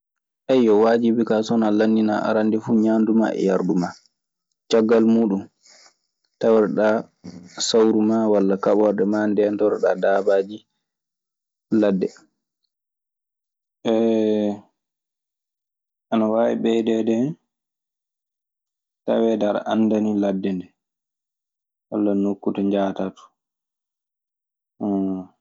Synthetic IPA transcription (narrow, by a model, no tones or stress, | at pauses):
ʔajːɔwad͡ʒibikasɔnalanːdina̰ʔa̰ɾandifuɲaːnduma̰ʔɛ̰jaɾduma | t͡ʃaɡːalmuːɗum | tawɾɛɗa | sawɾumawalːakaɓɔɾɗɛmandɛntawɾɛɗadaːbad͡ʒi | ladːɛ | ɛ | anawawiɓɛjdɛdɛ | ta̰wɛdaɾa̰ʔanːdaniladːɛndɛ | wa̰lːanokːutaɲd͡ʒaːtatu̥